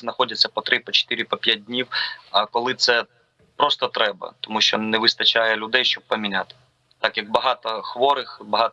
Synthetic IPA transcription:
znɐxɔdʲɐt͡sʲːɐpɔt̪ɾɪpɔt͡ʃe̥t̪ɪɾʲɪpɔpʲjat̚dʲnʲiwɐkɔlˠɪt̪sɛ | pɾɔst̪ɔt̪ɾɛbɐ̰t̪ɔmuʃt͡ʃɔnɛʋɪst̪ɐt͡ʃajɛlʲʊd̪ɛjʃt͡ʃɔb̚pɐmʲinʲat̪ɪ̥ | t̪akjɐk̚bɐɦɑt̪ɔxʋɔɾɪxbɐɦɑt̪

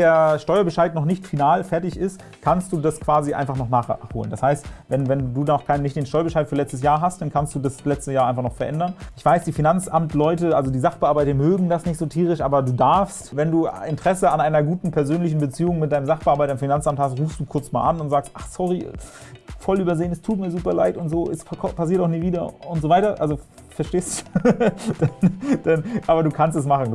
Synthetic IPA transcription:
deːɐʃtɔʏɐbəʃaɪtnɔχnɪçtfinaːlfɛɐtɪçɪst | kʰanstd̥uːdaskv̥aːziʔa̰ɪnfaχnɔχnaːχχho̰ːlənd̥ashaɪstvɛnvɛnduːdnɔχkʰaɪnənɪçtd̥eːnʃtɔʏɐbəʃaɪtfyːɐlɛt͡stəs̬jaːɐɦast̚d̥ankʰanst̚d̥uːdaslɛt͡stəjaːɐaɪnfaχnɔχfɛɐʔɛndɐnʔɪçv̥aɪsd̥iːfinant͡sʔamtʰlɔʏtəʔalzodiːzaχb̥əʔaːɐbaɪtɐmøːɡŋ̩dasnɪçtz̥oːtʰiːʁ̞ɪʃʔa̰ːbɐduːdaɐfstvɛnduːɪntʁ̥ɛsəanʔaɪnɐɡuːtn̩pʰɛɐzøːnlɪçn̩bət͡siːʊŋmɪt̚d̥aɪnəmzaχb̥əʔaɐbaɪdaɪmfinant͡samthastʁuːfstd̥uːkʰʊɐt͡sma̰ːlʔa̰nʊntz̥aːkstʔaχsɔʁi | fɔlyːbɐzeːənɛstʰuːt̚miːɐzuːpɐla̰ɪtʊntz̥oːʔɛsʰpʰas̬iːɐtaʊxniːviːdɐʊntz̥ovaɪtɐʔa̰lzo | fɛɐʃteːsu | d̥and̥anʔaːbɐduːkʰanstɛs̬maχn̩

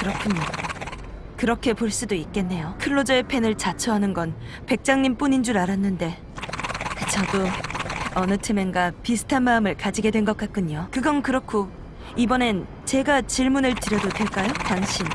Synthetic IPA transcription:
kɯɾʌkʰɯɲo | kɯɾʌkʰe̞poɭs͈udoik̚k͈e̞nːe̞jokʰɯɭːod͡ʑʌepʰe̞nɯɭt͡ɕat͡ɕʰʌɦanɯnɡʌn | pe̞k̚t͡ɕ͈aŋɲimp͈uɲind͡ʑuɾaɾanːɯnde̞ | kɯt͡ɕʰado | ʌnɯtʰeme̞nɡapisʰɯ̥tʰanmaɯmɯɭkad͡ʑiɡe̞dwe̞nɡʌk͈at̚k͈ʰɯɲokɯɡʌnkɯɾʌkʰo | ibʌne̞n | t͡ɕe̞ɡat͡ɕiɭmunɯɭtɯɾjʌdodwe̞ɭk͈ajotwaŋɕʰin

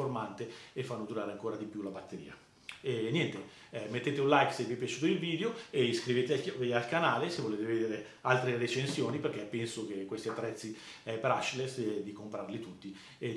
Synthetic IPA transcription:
ormant̪eefːanːod̪uɾaːɾeaŋkoːɾad̪ipjulabat̪ːeɾḭːa̰ | ɛnjɛnt̪e | mːet̪ːeːt̪eunlajksevːiɛpjat͡ʃuːt̪oilviːd̪eoeiskɾiveːt̪evialkanaːlesevːoleːt̪eved̪eːɾe | alt̪ɾeret͡ʃensjoːniperk̟epːɛnsok̟ekːwest̪iat̪ːɾɛt̪sːi | ɛpeɾat͡ʃːilesd̪ikompɾarlit̪ut̪ːi | e

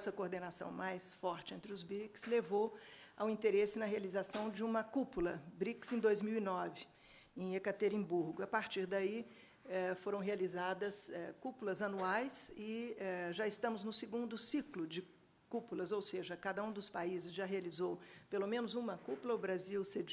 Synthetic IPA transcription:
sɐkoɾd̪enasɐ̰̃w̃majsfɔɾt͡ʃɪẽnt̪ɾɪʊzbɾikslevowawĩnt̪eɾesɪnɐɦealizasɐ̃w̃d͡ʒɪũmɐkupulɐbɾiksẽd̪ojzmiwinɔvɪ | ẽj̃ekat̪eɾĩbuɾɡʊapaɾt͡ʃiɾd̪ai | ɛfoɾɐ̃w̃ɦealizad̪ɐsɛkupulɐzɐnuajsɪɛʒaɪst̪ɐ̃mʊznʊsɪɡũnd̪ʊsiklʊd͡ʒɪ | kupulɐzowseʒɐkad̪ɐũd̪ʊspaizɪzʒaɦealizowpelomẽnʊzũmɐkupulɐʊbɾaziwsed͡ʒ

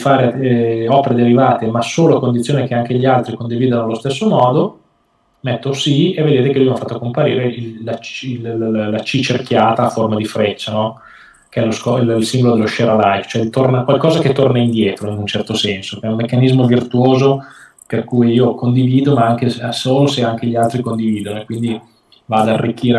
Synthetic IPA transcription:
faːɾeɔpeɾed̪eɾivaːt̪emasoːloakond̪it̪sːjoːnekeaŋkeʎialt̪ɾikond̪iviːd̪anoalost̪esːomɔːd̪o | mɛt̪ːosievːed̪eːt̪ekelujafat̪ːokompaɾiːɾeilat͡ʃillat͡ʃit͡ʃerkjaːt̪aːfːormad̪ifɾet͡ʃːanɔ | k̟eɛloskɔlilsimbolod̪elːoʃeɾalajft͡ʃoɛd̪it̪ornakwalkɔːzaket̪ːornaind̪jɛːt̪ɾoinunt͡ʃɛrt̪osɛnsokeɛumːekːanizmovirt̪uoːzo | perkuːjiːokond̪iviːd̪omaaŋk̟esoːloseaŋk̟eʎialt̪ɾikond̪iviːd̪onoekːwind̪i | vaːd̪arːikːiːɾe

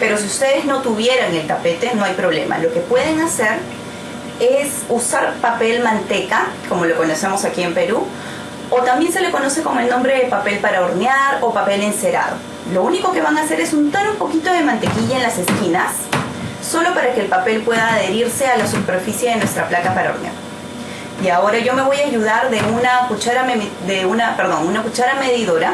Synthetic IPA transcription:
pe̞ɾo̞siust̪e̞ð̞e̞zno̞t̪uβ̞je̞ɾaŋe̞lt̪ape̞t̪e̞no̞ajpɾoβ̞le̞̰mʔa̰lo̞ke̞pwe̞ð̞e̞ŋase̞ɾ | es | usaɾpape̞lmãnt̪e̞kako̞mo̞loko̞nose̞mo̞sakie̞mpe̞ɾu | o̞t̪ambje̞nse̞le̞ko̞no̞se̞ko̞moe̞lnõ̞mbɾe̞ðepape̞lpaɾaoɾneaɾopape̞lense̞ɾa̰ð̞o̞̰ | lo̞uniko̞ke̞βaŋase̞ɾe̞sunt̪oɾopo̞kit̪o̞ðe̞mãnt̪e̞kiʝaenlase̞skinasː | o̞lo̞paɾakeːlpape̞lpwe̞ðaːðe̞ɾiɾse̞alasupe̞ɾfisje̞ðenwest̪ɾaplakapaɾao̰ɾnja̰ɾ | iao̞ɾaʝo̞me̞β̞o̞jaːʝuð̞aɾðe̞unakut͡ʃaɾameðeunape̞ɾðo̞nunakut͡ʃaɾame̞ðiðo̞ɾa

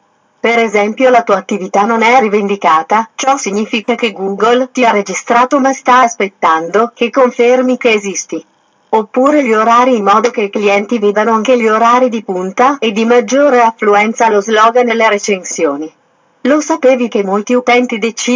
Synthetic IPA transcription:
peɾezɛmpjolat̪uːaːt̪ːivit̪anonɛrivend̪ikaːt̪at͡ʃɔsiɲːiːfikakeɡuɡolt̪iaɾed͡ʒist̪ɾaːt̪omast̪aspet̪ːand̪okekːoɱfermik̟eːzist̪i | opːuːɾeʎioɾaːɾiːmːɔːd̪ok̟eikliɛnt̪iviːd̪anoaŋk̟eʎioɾaːɾid̪ipunt̪aed̪ːimad͡ʒːoːɾeafluɛnt̪salozlɔːɡanelːeɾet͡ʃensjoːni | losapeːvikemːolt̪iut̪ɛnt̪id̪et͡ʃi

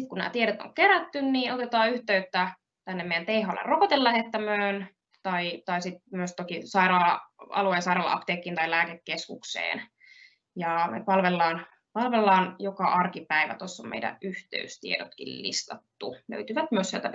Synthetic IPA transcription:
it̪kunnæ̰ːt̪ieɾet̪o̰ŋkeɾæt̪ːynniːʔot̪et̪ɑːyht̪eyt̪ːæ | t̪ænːemeijænt̪eihɑlːḛrrokot̪elːæhet̪ːæmøːn | t̪ɑit̪ɑisit̪̚myøst̪okisɑiɾɑːɑɑ̰lueːnsɑiɾɑːlːɑ̰ʔɑ̰pt̪eːkːiːnt̪ɑilæːkekːeskṵksḛːn | jɑmḛpɑlʋelːɑːn | pɑlʋelːɑːnjokɑʔɑrkipæiʋæ̰t̪osːommḛidæ̰ʔyht̪ḛyst̪ḭedot̪kḭllḭst̪ɑt̪ːulø̰yt̪yʋæt̪myøsielt̪æ

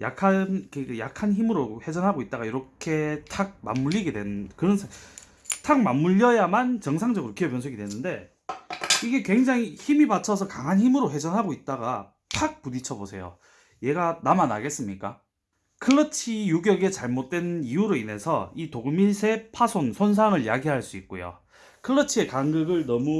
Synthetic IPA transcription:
ja̰kʰankɯjakʰançimɯɾohe̞d͡ʑʌnɦaɡoit̚t͈aɣaiɾʌkʰe̞tʰaɡ̚ma̰mːuʎːiɡedwenkɯɾʌnsʰe | tʰaɡ̚mamːuʎːʌjamant͡ɕʌŋsʰaŋd͡ʑʌɡɯɾokijʌpjʌnsʰɯɡidwenɯnde̞ | iɡe̞kwe̞ŋd͡ʑaŋiçimibat͡ɕʰʌs̬ʰʌkaŋɦançimɯɾoɸwe̞d͡ʑʌnɦaɡoit̚t͈aɡa̰ | tʰak̚pudit͡ɕʰʌbosʰe̞jo̰ | je̞ɡanamana̰ɡe̞s͈ɯmɲik͈a̰ | kʰɯɾʌt͡ɕʰijuɡjʌɡe̞t͡ɕaɭmot̚t͈we̞nijuɾoine̞sʰʌ̰itoɡɯminsʰe̞pʰasʰonsʰons̬ʰaŋɯɭjaɡiɦaɭs͈uit̚k͈ojo̰ | kʰɯɾʌt͡ɕʰie̞kaŋɡɯɡɯɭnʌmu

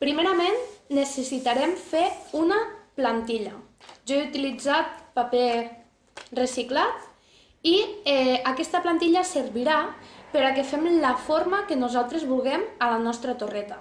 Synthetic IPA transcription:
pɾimeɾamenːesesit̪aɾemfeunaplant̪iʎa | ʒɔeut̪ilid͡zat̪̚pape | resiklat̪ | iɛakɛst̪əplant̪iʎasəɾβiɾapəɾakefɛmlafoɾmakenuzalˠt̪ɾezβulˠɣɛməlanɔst̪ɾət̪orɛt̪a

